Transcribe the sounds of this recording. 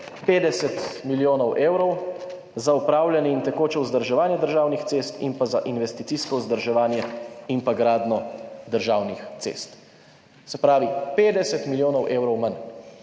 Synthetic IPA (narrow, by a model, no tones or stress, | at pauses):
peːd̪ɛsɛt̪miljoːnɔwʔeːwɾɔw | zaupɾaːwljɛnɛint̪ɛkoːt͡ʃɛuzd̪əɾʒɛʋaːnjɛd̪əɾʒaːwnixt̪seːst̪ḭnpazaʔinʋɛst̪it̪siskɔuzd̪əɾʒɛʋaːnjɛimpaɡɾaːd̪nɔd̪əɾʒaːwnixt̪sḛst̪ | sɛpɾaːʋipeːd̪ɛsɛt̪miljoːnɔwʔeːwɾɔwman